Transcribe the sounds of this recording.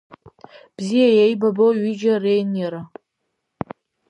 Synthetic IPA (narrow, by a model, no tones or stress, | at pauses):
b̥zijajejbaboɥid͡ʒarejnjaɾa